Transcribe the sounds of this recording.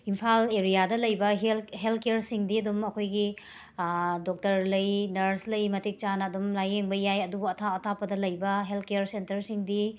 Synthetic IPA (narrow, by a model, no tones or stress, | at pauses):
impʰaleɾijadɐlɐjbɐɦelɦelkejɾsiŋdiɐdumɐkʰojɡi | dok̚tɐɾlɐjnɐɾslɐjmɐtik̚t͡ʃanɐːdumlajeŋbɐjajɐduɡuɐtʰaɔtʰapɐdɐlɐjbɐɦeltʰkejɐɾsentɐɾsiŋdi